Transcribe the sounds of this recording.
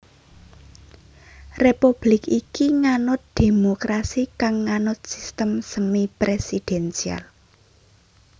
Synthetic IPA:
repub̥lɪkikiŋanʊt̪̚d̪̥e̤mokɾʔasikaŋːanʊt̪̚sist̪əmsəmipɾesid̥ɛnsia̰l

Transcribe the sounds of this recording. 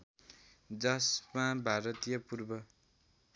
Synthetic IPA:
d͡zʌsmãbʱaɾʌt̪ijʌpurbʌ

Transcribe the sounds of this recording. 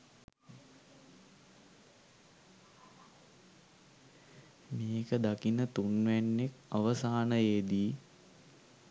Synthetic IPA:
meːkəd̪akinət̪unʋænːekaʋəsaːnəed̪iː

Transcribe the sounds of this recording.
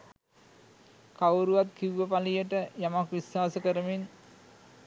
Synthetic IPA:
kawɾuʋat̪kiʋuʋəpalijəʈəjamakʋiswaːsəkəɾəmin

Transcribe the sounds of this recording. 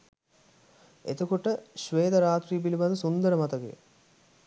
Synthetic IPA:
et̪okoʈəʃʋeːd̪əɾaːt̪riːp̬iliband̪əsund̪əɾəmat̪əkḛ

